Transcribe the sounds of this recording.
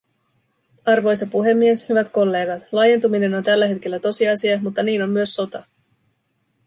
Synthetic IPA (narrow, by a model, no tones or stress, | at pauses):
ɑrʋo̞jsɑpuɦe̞mːie̞shyʋæt̪ko̞lːe̞ːɡɑt̪lɑje̞nt̪umine̞nont̪ælːæɦe̞t̪k̟e̞lːæt̪o̞siɑsiɑmut̪ːɑniːno̞mːyøsːo̞t̪ɑ